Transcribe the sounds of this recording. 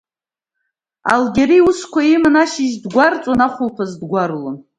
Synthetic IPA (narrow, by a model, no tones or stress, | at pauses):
a̰lɡʲeɾiuskʷʰaimanaʃɪʒdɡʷart͡sʼonaχʷʊlpʰazdɡʷarlon